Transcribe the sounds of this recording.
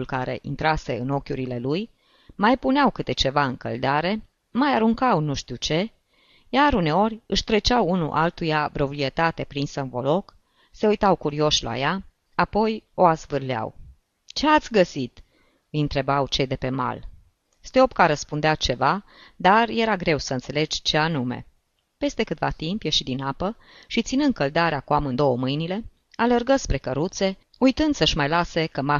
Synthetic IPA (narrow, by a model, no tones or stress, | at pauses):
ulkaɾe̞̰ʔḭnt̪ɾase̞ɨno̞kʲuɾile̞luj | majpuneawkɨt̪e̞t͡ʃe̞vaɨŋkə̰ld̪eaɾe̞ | majaɾuŋkawnuʃt̪iwt͡ʃe̞ | jaɾune̞o̞rʲɨʃt̪ɾe̞t͡ʃawunṵʔa̰lt̪ujavɾo̞pɾie̞t̪at̪e̞pɾinsənvo̞lo̞k | se̞ujt̪awkuɾio̞ʃla̰ja | apo̞jo̞azvɨrlea̰w | t͡ʃe̞at̪sʲɡəsit̪ | ɨjɨnt̪ɾe̞bawt͡ʃe̞jd̪e̞pe̞ma̰l | st̪eo̞pkaɾəspund̪eat͡ʃe̞vad̪arje̞ɾaɡɾe̞wsəɨnse̞le̞d͡ʒt͡ʃe̞anume̞̰ | pe̞st̪e̞kɨt̪va̰t̪impje̞ʃid̪inapə | ʃit̪sinɨnd̪̚kəld̪aɾeakuamɨnd̪o̞wəmɨjnile̞ | alerɡəspɾe̞kəɾut̪se̞ | ujt̪ɨnd̪səʃmajlase̞kəma